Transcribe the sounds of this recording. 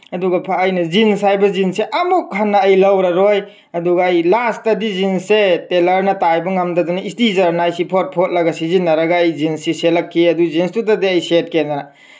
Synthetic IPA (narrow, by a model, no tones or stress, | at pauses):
ɐduɡɐpʰaːjnɐzinsajbɐzinseʔɐmuk̚hanːɐɐjlɐwɾɐɾoj | ɐduɡɐɐjlastɐdizinsetelɐɾnɐtajbɐŋamdɐdanɐistizɐɾnaajsipʰot̚pʰot̚lɐɡasizinːɐɾɐɡaːjzinsiselɐkʰːiɐduzinstutadeɐjset̚kenːɐɾɐ